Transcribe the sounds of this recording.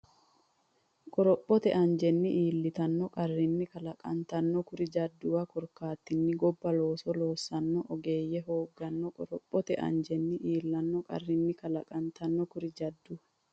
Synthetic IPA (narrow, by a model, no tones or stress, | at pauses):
kʼɔɾɔpʼːɔt̪ɛʔɐɲd͡ʒɛnːɪʔiːlːɪt̪ɐnːɔkʼɐrːɪnːɪkɐlɐkʼɐ̰nt̪ɐnːɔkʊɾɪd͡ʒɐd̪ːʊwɐkɔɾkaːt̪ːɪnːɪɡɔbːɐlo̞ːsɔlo̞ːsːɐnːɔʔɔɡe̞ːjːɛɦo̞ːɡːɐnːɔkʼɔɾɔpʼːɔt̪ɛʔɐ̰nd͡ʒɛnːɪʔiːlːɐnːɔkʼɐ̰rːɪnːɪkɐlɐkʼɐnt̪ɐnːɔkʊɾɪd͡ʒɐd̪ːʊwɐ